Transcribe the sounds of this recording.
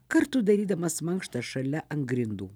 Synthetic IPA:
kɐɾt̪ud̪ɐɾʲiːd̪ɐmɐsmɐŋkʃt̪ɐʃɐlʲɛʔɐŋɡɾʲɪnd̪uː

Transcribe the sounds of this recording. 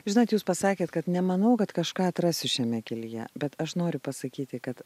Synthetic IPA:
ʒʲɪnɐt̪juːspɐsɑːkʲeːt̪kɐt̪nʲɛmɐnɐʊkɐt̪kɐʃkɑːɐt̪ɾɑːsʲɪʃʲɛmʲɛkʲɪlʲɪjɛ̰bʲɛt̪ɐʃnoːɾʲʊpɐsɐkʲiːt̪ʲɪkɐt̪

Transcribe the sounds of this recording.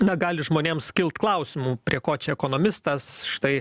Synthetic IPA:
nɐɡɑːlʲɪʒmoːnʲeːmsʲkʲɪlˠt̪klˠɐʊsʲɪmuːpʲɾʲiɛkoːt͡ʃʲɛɛkoːnoːmʲɪst̪ɐsʃɪ̥t̪ɐɪ

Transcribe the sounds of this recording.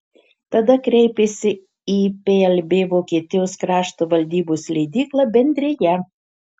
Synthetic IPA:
t̪ɐd̪ɐkɾʲɛɪpʲeːsʲɪ | iːpʲeːɛlʲbʲeːʋoːkʲiːt̪ʲɪjoːskɾɑːʃt̪oːʋɐlʲd̪ʲiːboːsʲlʲɛɪd̪ʲiːklˠɑːbʲɛnʲd̪ʲɾʲeːjɛ

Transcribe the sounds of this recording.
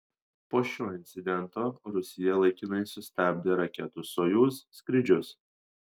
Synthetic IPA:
poːʃʲoːɪnʲt̪sʲɪd̪ʲɛnˑt̪oːɾʊsʲɪjɛlˠɐɪkʲiːnɐɪsʊsʲt̪ʲæːˑbʲd̪ʲeːɾɐkʲɛt̪ʊsoːjuːsːʲkɾʲɪd͡ʒʲʊs

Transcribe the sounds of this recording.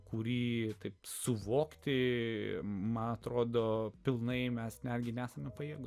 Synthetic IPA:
kʊɾʲiːt̪ɐɪpsʊʋoːkt̪ʲɪ | mɐnɐt̪ɾoːd̪oːpʲɪlˠnɐɪmʲɛsnʲæːd̪ʲɡʲɪnʲæːsɐmʲɛpɐjiːɡʊ

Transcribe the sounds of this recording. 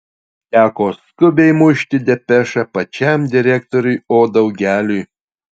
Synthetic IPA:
t̪ʲæːkoːskʊbʲɛɪmʊʃʲt̪ʲɪd̪ʲɛpʲɛʃɐpɐt͡ʃʲɛˑmd̪ʲɪɾʲækt̪ɔɾʲʊjoːd̪ɒʊɡʲæːlʲʊj

